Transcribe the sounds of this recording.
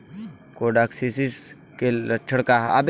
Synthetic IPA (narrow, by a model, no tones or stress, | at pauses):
koɖaːksisis | keɐt͡ʃʰəɽkaɦɐ̰b